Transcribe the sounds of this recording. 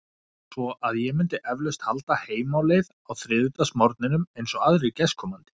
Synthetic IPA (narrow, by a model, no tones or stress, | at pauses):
svɔʔaðjɛmʏnt̪ɪʔɛvlœst̪halt̪aheːjmawlejðawθɾɪːðʏt̪asmɔɾt̪nɪnʏmejnsɔɣaðɾɪcɛskʰɔːmant̪ɪ̥